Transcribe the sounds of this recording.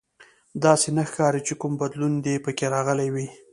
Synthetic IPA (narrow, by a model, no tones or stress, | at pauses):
d̪ɑsenaxkɑɾit͡ʃekumbad̪lund̪epəkeɾɑɣəlajwi